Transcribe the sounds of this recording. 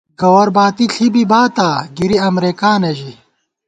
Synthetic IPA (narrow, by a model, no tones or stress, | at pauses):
ɡɐwɐɾbaːt̪iɬʰibibaːt̪aːɡiɾiɐmɾeːkaːneʑi